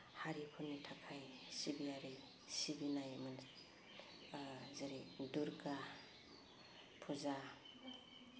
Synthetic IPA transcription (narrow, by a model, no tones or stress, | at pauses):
haɾipʰunitʰakʰajsibiaɾi | sibinajmɯn | zaɾiduɾɡa | pʰuza